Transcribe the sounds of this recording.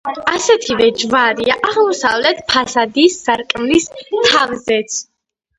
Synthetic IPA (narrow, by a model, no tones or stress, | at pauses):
asɛt̪ʰivɛd͡ʒvaɾiaʔaʁmɔsavlɛt̪ʰpʰasad̪iːsːaɾkʼmlist̪ʰavzɛt̪sʰ